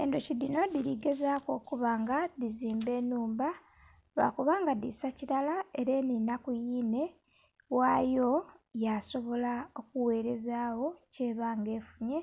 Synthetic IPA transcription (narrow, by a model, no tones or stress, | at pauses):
e̞ndocidino̞diliɡe̞zaːko̞ːkuβaːŋɡaðiziːmbe̞ːnuːmba | βa̰kuβaːŋɡadḭsaciɾalae̞ɾe̞ninakujiːne̞ | waːjo̞jaso̞βo̞lao̞kuwe̞ːɾe̞zaːwo̞ce̞ːβaːŋɡe̞ːfuɲe̞